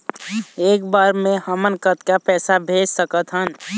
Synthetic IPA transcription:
eːkbaːɾmẽhəmənkət̪kapɛːsabʱeːd͡ʒsəkət̪ɦən

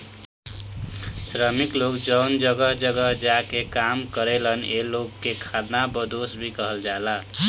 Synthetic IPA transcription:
sɾəmiklokd͡ʒəwnd͡ʒʌɡəɦd͡ʒəɡəɦd͡ʒakekamkəɾelənelokːekʰad̪nabəd̪osbʱikʌɦəld͡ʒala

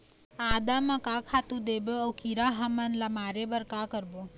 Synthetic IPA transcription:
aːd̪amãkakʰat̪ũd̪ebəəwkiɾaɦamanlamaːɾebəɾkakəɾbo

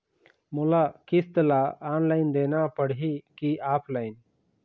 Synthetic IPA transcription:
mʊlakɪst̪əlaːaːnlaɪnd̪eːnapəɽ̤ikiaːpʰlaːɪn

